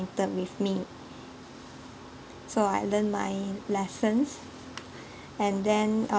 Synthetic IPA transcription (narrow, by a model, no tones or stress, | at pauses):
ntət̚wifmi | soajlə̃nma̰jlɛsə̃ns | ɛ̃ndɛ̃n